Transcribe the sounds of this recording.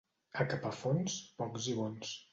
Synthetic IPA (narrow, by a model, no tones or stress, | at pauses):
əkapafonspɔkziβons